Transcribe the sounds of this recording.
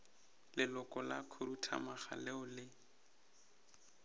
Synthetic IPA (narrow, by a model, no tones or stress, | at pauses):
lɪlʊkʼɔlakʰʊɾutʰa̰maχa̰lɪʊlɪ